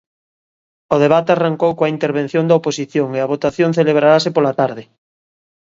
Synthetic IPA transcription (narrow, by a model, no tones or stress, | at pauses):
oð̞eβ̞at̪earaŋkowkõaint̪eɾβ̞ẽnθjõnd̪aoposiθjoŋeaβ̞ot̪aθjõŋθeleβ̞ɾaɾasepolat̪aɾðɪ